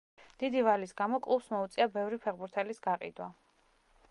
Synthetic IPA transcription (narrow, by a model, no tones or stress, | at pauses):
d̪̥id̪ivalisɡamɔkʼˠusmɔut̪sʼiabɛvɾipʰɛʁbuɾt̪ʰɛlisɡaqʼḭd̪wa